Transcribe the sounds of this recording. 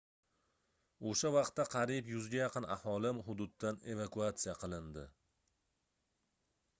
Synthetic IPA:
oʃavɑq̚t̪ːaqʰɑɾipjʊzɡʲajɑqʰɨna̰hɒlɪmɦʊd̪ʊd̪̚ːane̞vakuat̪sijaqʰɨlˠɪnd̪ɪ

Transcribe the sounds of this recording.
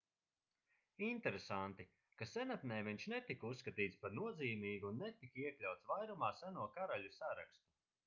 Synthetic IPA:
int̪eɾesant̪i | kasɛnat̪nɛjviɲʃnet̪ikusːkat̪iːt̪spaɾnuɔdziːmiːɡuːnːɛt̪ikiɛklʲawt̪svajɾumaːsænuɔkaɾaʎʲusaɾakst̪u̥

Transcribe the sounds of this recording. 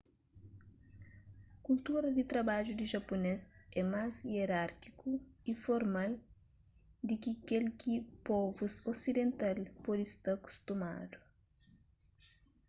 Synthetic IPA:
kult̪uɾɐd̪it̪ɾɐbaʒud̪iʒɐpunesɛmazieɾaɾkikuifoɾmal | d̪ikikelkipɔvusosid̪ẽnt̪alpɔd̪ist̪aku̥st̪uma̰d̪u

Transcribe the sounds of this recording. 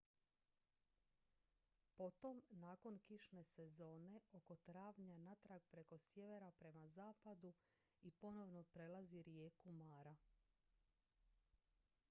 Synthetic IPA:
po̞t̪o̞mnaːko̞nkiʃne̞se̞zo̞ːne̞o̞ko̞t̪ɾaːʋɲanat̪ɾaɡ̚pɾeko̞sjeʋe̞ɾapɾe̞mazaːpad̪u | ipo̞no̞ʋno̞pɾe̞laziɾjeːkumaːɾa

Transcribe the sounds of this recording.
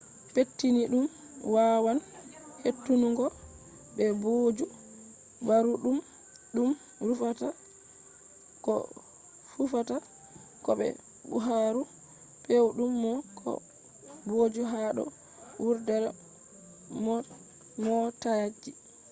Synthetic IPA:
petːiniɗum | wawanhetːunuŋɡɔ | bɛbod͡ʒu | baɾuɗum | ɗum | ɾufata | kɔ̰ | fufata | kɔɓɛ̰ | bṵɦaɾu | pewɗumːɔkʰɔ̰ | bod͡ʒuɦaɗɔ̰ | wuɾdɛɾ | mɔ | mɔtajad͡ʒːi

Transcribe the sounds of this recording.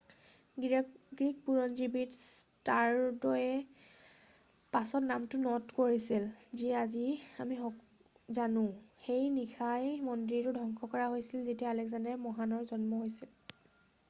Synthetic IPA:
ɡɹik̚puɹɔnzibitstaɹdɔjɛ | pasɔtnamtʊnɔtkoɹisilziaziamixɔ | zanʊ̃xejnixʰajmɔndɹitʊdʱɔŋkʰɔkɔɹaɦojsilzetiaalɛks̬andamɔɦanɔɹzɔnmɔɦojsil

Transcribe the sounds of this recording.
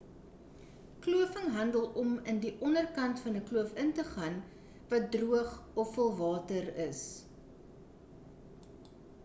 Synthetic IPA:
kluəfəŋɦɐndəlˠɔməndiʔɔnərkɐntfɐnəkluəfəntəχɐn | vɐt̚druəχɔfːəəlˠvɑːtərəs

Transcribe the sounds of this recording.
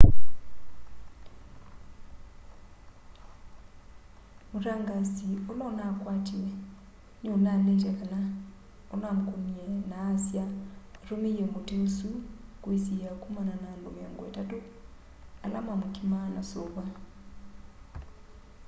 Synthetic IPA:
moɾaŋɡasiolɔnakwatiɛ | nonalet̬ɛkana | onamokonjɛnaːsjaatomeɛmoteosukwesiakumananaːndomeɔːŋɡɔḛtato | alamwamokimanasoβa

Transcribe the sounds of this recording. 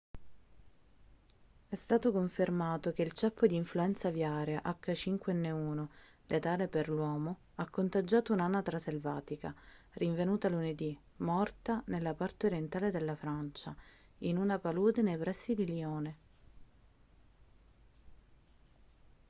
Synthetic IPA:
ɛst̪aːt̪okoɱfermaːt̪okeilt͡ʃɛpːod̪iːɱfluɛnt̪savjaːɾjaʔakːat͡ʃiŋkweɛnːeuːno | let̪aːleperlwɔːmo | akːont̪ad͡ʒːaːt̪ounanːat̪ɾaselvaːt̪ikariɱvenuːt̪aluned̪i | mɔrt̪anelːapart̪eoɾjent̪aːled̪elːafɾant͡ʃainunapaluːd̪enejpɾɛsːid̪iliɔːne

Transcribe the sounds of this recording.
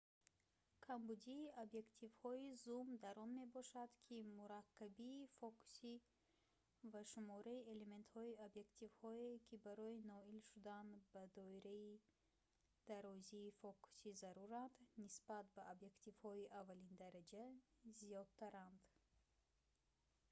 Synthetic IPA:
kʰambud̪iːobje̞kt̪ʰivhɔizumd̪aɾɔnme̞bɔʃad̪kʰimuɾakːabiːfɔku̥si | vaʃumɔɾaie̞le̞me̞nt̪hɔiobje̞kt̪ʰivhɔekʰibaɾɔinɔilʃud̪anbad̪ɔiɾai | d̪̥aɾɔziːfɔkʰu̥sizaɾuɾand̪nisbat̪̚baobje̞kt̪ivhɔiʔavːalind̪aɾad͡ʒazijɔd̪̚t̪ʰaɾand̪

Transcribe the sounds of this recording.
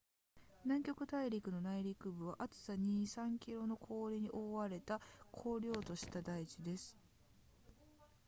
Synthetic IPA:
nãŋkʲo̞kɯ̟t̪aiɾʲikɯ̟no̞naiɾʲikɯ̟bɯ̟β̞aʔat͡sɨ̥saɲ̟iːsãŋkʲiɾo̞no̞kʰo̞ːɾʲiɲ̟iʔo̞ːβaɾe̞t̪akʰo̞ːɾʲo̞ːt̪o̞ɕi̥t̪ad̪ait͡ɕid̪e̞sɨ̥

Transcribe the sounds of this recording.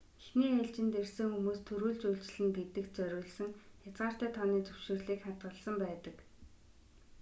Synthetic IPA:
exniːaɮt͡ɕɪ̆nt̪ersɘ̆ŋxumoːst̪ʰɵɾuːɮt͡ɕujɬt͡ɕ̆ɮɘ̆nɡet̪ɘ̆kt͡sœɾʲʊːɮsə̆ŋxjat͡sʁaːr̥t̪æːt̪ʰɔniːt͡sɵwʃɪ̆rɮiːkχat̪ɢə̆ɮsə̆mpæːt̪ə̆k

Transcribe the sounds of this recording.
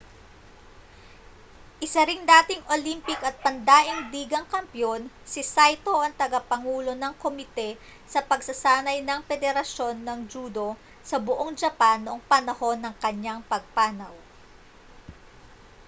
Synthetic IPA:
ʔɪsɐɾɪŋd̪aːt̪ɪŋʔolimpɪkɐt̪̚pɐnd̪aːʔɪŋd̪iːɡɐŋkɐmpjo̞n | sɪsajt̪o̞ʔɐŋt̪ɐɡɐpɐŋuːlo̞nɐŋkomɪt̪ɛ | sɐpɐɡsɐsaːnɐjnɐŋpɛd̪ɛɾɐʃo̞nːɐŋd͡ʒuːd̪o̞ | sɐbʊʔo̞ŋd͡ʒɐpanːoʔoŋpɐnɐho̞nːɐŋkɐɲːaŋpɐɡ̚paːnɐw

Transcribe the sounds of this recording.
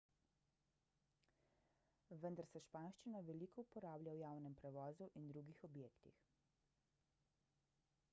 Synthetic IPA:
ʋənd̪aɾsɛʃpaːnʃt͡ʃinaʋɛlikɔupɔɾaːblʲjawjaːwnɛmpɾɛʋɔːzuʔind̪ɾuɡixɔbjeːkt̪ix

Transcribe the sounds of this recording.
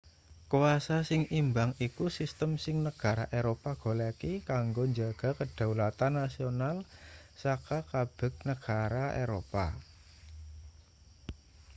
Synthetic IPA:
kuwasasɪŋimbaŋikusist̪əmsɪŋnəɡ̥a̤ɾa̰ʔeɾopaɡ̥o̤lakikaŋɡoɲd͡ʒaɡ̥a̤kəɖ̥a̤wlat̪anːasionalsakakab̥ɛ̤k̚nəɡ̥a̤ɾaeɾopa̰

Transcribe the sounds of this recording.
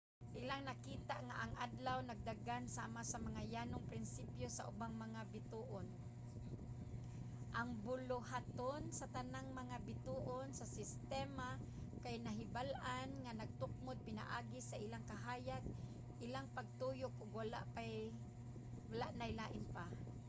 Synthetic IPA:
ʔɪlaŋnakiːt̪aʔŋaʔaŋʔad̪lawnaɡ̚d̪aɡansaːmasamaŋajaːnʊŋpɾɪnsipjosa̰ʔʊbaŋmaŋabɪt̪uːʔon | ʔaŋbʊlʊhat̪onsat̪anaŋmaŋabɪt̪uːʔonsasɪst̪ɛma | kajnaɦɪbalʔanŋanaɡ̚t̪ʊk̚mʊd̪̚pɪna̰ʔaːɡisaʔɪlaŋkaɦaːjad̪̚ | ʔɪlaŋpaɡ̚t̪ujʊk̚ʔʊɡwala̰ʔpaj | walaʔnajlaːʔɪnpa

